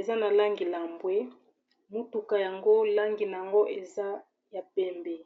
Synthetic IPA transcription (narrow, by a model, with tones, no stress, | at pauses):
e˨za˦na˨la˦ŋɡi˨la˨mbwe˦ | mu˦tu˨ka˨ja˨ŋɡo˦la˦ŋɡi˨na˨ja˨ŋɡo˦ʔe˨za˦ | ja˨pɛ˦mbɛ˨